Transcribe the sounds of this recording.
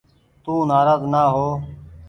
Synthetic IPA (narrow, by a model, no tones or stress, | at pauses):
t̪uːnaːɾaːznaːɦoː